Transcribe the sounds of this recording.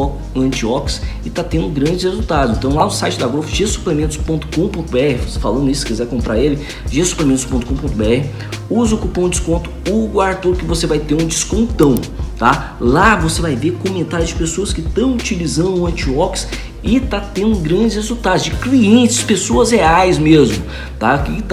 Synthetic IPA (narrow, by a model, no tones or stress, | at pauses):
ɐ̃nt͡ʃiɔksɪt̪at̪ẽnd̪ʊɡɾɐ̃nd͡ʒɪshezut̪ad̪ʊzẽnt̪ɐ̃w̃lanʊsajt͡ʃɪd̪ɐɡɾofʊʒesu̥plemẽt̪ʊspõnt̪ʊ̥kõpõt̪ʊbeɛhɪvosefalɐ̃nd̪ʊisʊ̥sɪ̥kizɛɾkõpɾʔa̰ɾelɪ | ʒesu̥plemẽt̪ʊspõt̪ʊkõpõnt̪ʊbeɛhɪ | uzʊkupɐ̃d͡ʒɪskõnt̪ʊ̥uɡʊaɾt̪uɾʊkɪvosevajt̪eɾũd͡ʒɪskõnt̪ɐ̃w̃t̪a | lavosevajvekomẽnt̪aɾjʊzd͡ʒɪpesoɐskɪt̪ɐ̃w̃ut͡ʃilizɐ̃nd̪ʊ̃ɐ̃t͡ʃiɔks | ɪt̪at̪ẽnd̪ʊɡɾɐ̃nd͡ʒɪs̬hezuwt̪ad̪ʊzd͡ʒɪkliẽnt͡ʃɪspesoɐzheajsmezmʊ | t̪aki